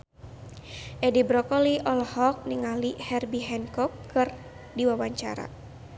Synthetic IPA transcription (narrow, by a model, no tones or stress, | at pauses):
ʔɛdibɾɔkɔliʔɔlɔhɔk̚niŋalihɛrbiɦɛnkɔkːɨr | diwawaɲt͡ʃa̰ɾa̰